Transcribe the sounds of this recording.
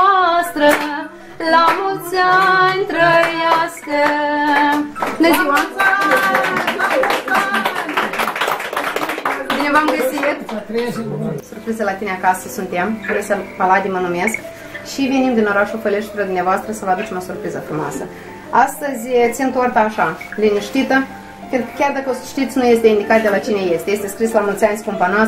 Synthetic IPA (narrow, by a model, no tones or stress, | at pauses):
st̪ɾə | lamult̪sant̪ɾəjaskə | nəziwəm | binevamɡəssit̪ | surpɾizəlat̪ine̞akasəsunt̪e̞mflesepalad̪imənume̞sk | ʃive̞nimd̪ino̞ɾaʃulfeleʃeɾad̪umneavoast̪ɾəsəvəad̪ut͡ʃemo̞surpɾizəfɾumoa̰sə | ast̪əzʲt̪sʲint̪ort̪aːʃaliniʃt̪it̪ə | kɨnkʲard̪akəosʃt̪it̪sʲnuje̞st̪eind̪ikat̪̚d̪e̞lat͡ʃine̞je̞st̪eje̞st̪e̞skɾislamult̪sʲanʲskompana